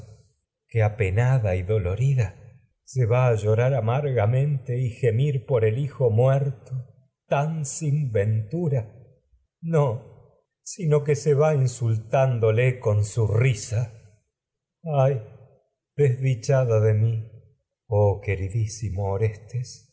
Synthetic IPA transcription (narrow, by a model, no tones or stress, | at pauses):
keapenaðaiðo̞lo̞ɾiða | se̞βaːʒo̞ɾaɾamaɾɣamẽ̞nt̪e̞ixe̞miɾpo̞ɾelixo̞mwɛɾt̪o | t̪ansimbent̪uɾa | no | sinokeseβainsult̪and̪o̞leko̞nsurisa | aj | ð̥ezðit͡ʃaðaðemi | oke̞ɾiðisimoːɾest̪es